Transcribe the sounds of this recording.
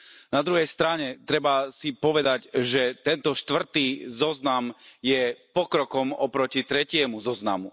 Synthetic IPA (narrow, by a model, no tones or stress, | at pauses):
nad̪ɾuɦɛjst̪ɾaɲɛt̪ɾɛbasipɔʋɛd̪aɟʒɛt̪ɛnt̪ɔʃt̪ʋr̩t̪iːzɔznamjɛpɔkɾɔkɔmɔpɾɔcit̪ɾɛcɪɛmuzɔznamṵ